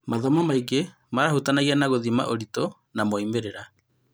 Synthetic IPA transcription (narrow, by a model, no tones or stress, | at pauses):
maðɔmɔmaiɡe | maɾahutanaɣianaɣoðima̰ʔoɾito | namoaimeɾeɾa